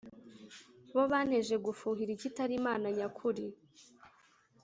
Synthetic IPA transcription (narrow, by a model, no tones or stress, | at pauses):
βo̞βaːnhe̞ʒe̞ɡufuːɦiɾicitaɾimaːnaɲakʰuɾi